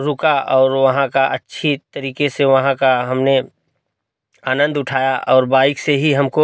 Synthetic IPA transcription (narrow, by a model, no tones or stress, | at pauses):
ɾʊkaʔɔːɾʋɐɦãkaʔɐtːʃʰit̪ɐɾiːkeseʋɐɦãkaɦɐmne | aːnə̃nd̪ʊʈʰaːjaʔɔːɾbaːɪkseɦiɦɐmko